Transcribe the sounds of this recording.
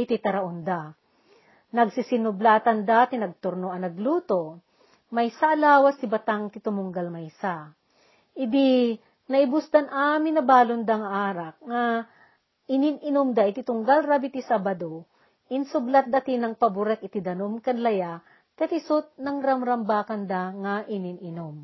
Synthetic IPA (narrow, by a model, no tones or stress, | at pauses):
ʔɪt̪ɪt̪ɐɾɐʔond̪a | nɐɡsɪsɪnʊblat̪ɐnd̪at̪ɪnɐɡ̚t̪ʊɾnoɐnɐɡluːt̪o | mɐjsaʔːlaːwɐst̪ɪbɐt̪aŋt̪ɪt̪ʊmʊŋɡalmɐjsa | ʔɪd̪i | nɐʔɪbʊsd̪ɐnʔaːmɪnːɐbaːlond̪ɐŋʔaːɾɐk̚ŋɐ | ʔɪnɪnɪnʊmd̪aʔɪt̪ɪt̪ʊŋɡalɾabɪt̪ɪsabɐd̪o | ʔɪnsʊblat̪̚d̪ɐt̪ɪnɐŋpɐbʊɾɛk̚ʔɪt̪ɪd̪ɐnomkɐnlɐja | k̪ɐt̪ɪsʊt̪̚nɐŋɾɐmɾɐmbaːkɐnd̪aŋɐʔɪnɪnɪnom